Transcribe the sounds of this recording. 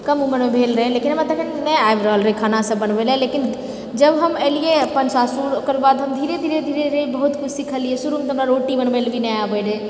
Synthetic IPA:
kəmuməɾmebʱelɾəɦɛlekinɦəmat̪əkʰəʈnɛaebɾəɦəlɾəɦɛkʰanasə̃bənbelɦɛlekin | d͡ʒəbɦəmɛlijeəpənsasukəɾbad̪ɦəmd̪ʱiɾed̪ʱiɾed̪ʱiɾed̪ʱiɾebəɦut̪kut͡ʃʰsikʰəlijesuɾumet̪okɾaɾoʈibənbelbinɛabəɾɛ

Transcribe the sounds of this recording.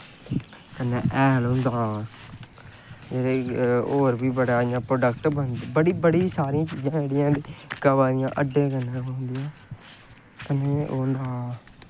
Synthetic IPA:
kənːeːʔɛːlɦʊ̃nd̪aː | d͡ʒeːɾeːoːɾbiːbəɽaːɪjãːpɾoːɖəkʈbənd̪bəɽiːbəɽiːsaːɾɪjãːt͡ʃiːd͡ʒãːd͡ʒeːɽɪjãːd̪eːɡəʋaːnɪjãːʔəɖːẽːkənːẽːɦoːnd̪ijãː | kənːeːoːnd̪aː

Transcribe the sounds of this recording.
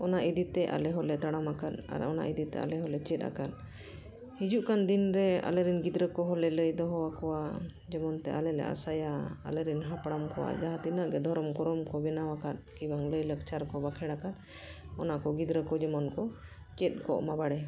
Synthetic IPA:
ɔnaʔid̪it̪ɛʔa̰lɛɦɔlɛt̪aɽamakana̰ɾɔ̰na̰ʔid̪it̪ɛ̰a̰lɛɦɔlɛt͡ʃɛt̪̚a̰kan | hid͡ʒuʔkand̪inɾɛa̰lɛɾinɡid̪ɾəkɔɦɔlɛləjd̪ɔɦɔwakɔwa | d͡ʒɛmɔnt̪ɛ̰ʔa̰lɛlɛ̰ʔa̰sajaa̰lɛɾinɦapɽamkɔwa̰d͡ʒaɦat̪inəʔɡɛd̪ʱɔɾɔmkɔɾɔmkɔbɛnawakat̪kibaŋləjləkt͡ʃaɾkɔbakʰɛɽakan | ɔnaʔkɔɡid̪ɾəkɔd͡ʒɛmɔnkɔ | t͡ʃɛt̪̚ˀkɔʔmabaɽɛ

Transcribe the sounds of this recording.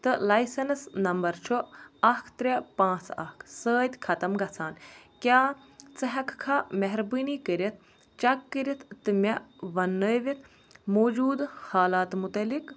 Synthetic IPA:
t̪ɨlɐjsɐnsnɐmbɐɾt͡ʃʰuɐkʰt̪ɾʲɐpãːt͡sʰɐ̰kʰsəːt̪ʲkʰɐt̪ɐmɡɐt͡sʰaːnkʲjaː | t͡sɐɦɐkʰkʰamɐɦɾbɨniːkəɾit̪̚ʰ | t͡ʃɐkːɨɾʲit̪ʰːɨmʲɐʋɐnːəːʋit̪ʰ | moːd͡ʒuːd̪haːlaːt̪mut̪ɐlik

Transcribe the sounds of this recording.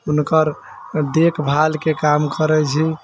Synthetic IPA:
unkəɾ | d̪ekʰbʱalkekamkəɾɛt͡ʃʰi

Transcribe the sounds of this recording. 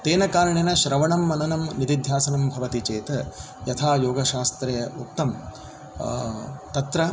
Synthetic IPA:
t̪eːnɐkaːɾɐɳinɐʃɾɐʋɐɳɐmːɐnɐnɐmnit̪id̪ʱjaːsɐnɐmbʱɐʋɐt̪it͡ʃeːt̪ɐ | jɐt̪ʰaːjoːɡɐʃaːst̪ɾejɐuk̚t̪ɐm | t̪ɐt̪ɾɐ

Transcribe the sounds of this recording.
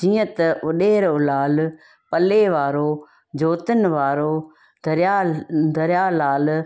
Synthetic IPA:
d͡ʒĩːə̃t̪ɐʋʊɗeːɾoːlaːl | pəleːʋaːɾoː | d͡ʒoːt̪ənʋaːɾoː | d̪əɾjaːd̪ʱəɾjaːlaːl

